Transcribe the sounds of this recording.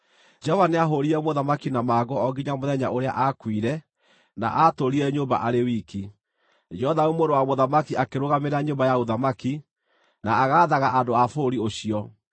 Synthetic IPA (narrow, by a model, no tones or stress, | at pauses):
d͡ʒɔvaneaɦoɾiɾɛmoðamakinamaːɣɔɔɡiɲamoðɛɲa̰ʔoɾea̰ʔakwiɾɛ | na̰ʔatoɾiɾɛɲoːmba̰ʔaɾewiki | d͡ʒɔðaomoɾdowamoðamakiakeɾoɣameɾaɲoːmbajaoðamaki | naaɣaːðaɣaʔandoafoɾioɕiɔ